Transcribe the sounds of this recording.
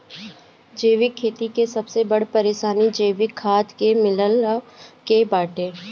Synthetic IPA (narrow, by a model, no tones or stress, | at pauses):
d͡ʒeːʋɪkʰːeːt̪ikesɐbsebɐɽpɐɾeːʃaːnid͡ʒeːʋɪkʰːaːt̪kemɪləlkebaːʈẽː